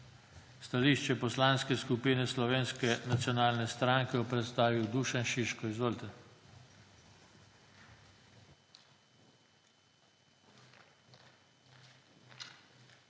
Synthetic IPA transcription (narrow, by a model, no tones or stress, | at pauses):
st̪aliːʃt͡ʃɛpɔslaːnskɛskupiːnɛslɔʋeːnskɛnat̪sjɔnaːlnɛst̪ɾaŋkɛɔpɾɛt̪st̪aːʋiwd̪uːʃɛnʃiʃkɔizʋoːlt̪ɛ